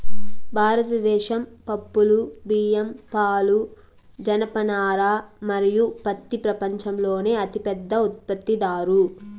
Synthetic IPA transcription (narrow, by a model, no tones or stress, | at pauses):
bʱaːɾɐt̪ɐd̪ɛːʃɐmpɐpːulubiːjɐmpaːlu | d͡ʒɐnɐpɐnaːɾaːmɐɾijupɐt̪ːipɾɐpɐɲt͡ʃɐmlo̞ːne̞ːɐt̪ipɛd̪ːɐut̪̚pɐt̪ːid̪aːɾu